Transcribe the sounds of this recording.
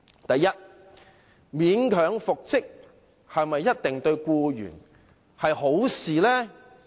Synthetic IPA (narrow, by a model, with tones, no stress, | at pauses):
t̪ɐ˨jːɐ˥t̚ | miː˨˥nkʰœː˨˥ŋfʊ˨k̚t͡sɪ˥k̚ | hɐ˨jmɐ˨jːɐ˥t̚t̪ɪ˨ŋt̪ɵ˧ɥkuː˧jy̰ː˨˩n | hɐ˨jho˨˥wsiː˨lɛː˥